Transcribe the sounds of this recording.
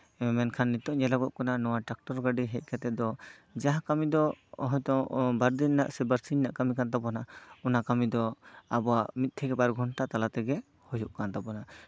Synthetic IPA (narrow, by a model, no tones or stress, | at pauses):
mɛnkʰanːit̪ɔʔɲɛlaɡɔʔkɔnanɔwaʈak̚ʈɔɾɡaɖiɦɛc̚ˀkat̪ɛd̪ɔ | d͡ʒaɦakamid̪ɔɔɦɔjt̪ɔŋbaɾd̪inːaʔsɛbəɾsiɲnaʔkamikant̪̬abɔnaɔnakamid̪ɔabɔwamit̪̚t̪ʰɛɡɛbaɾɡʱɔɳʈat̪alat̪ɛɡɛ | hɔjɔʔkant̪abɔna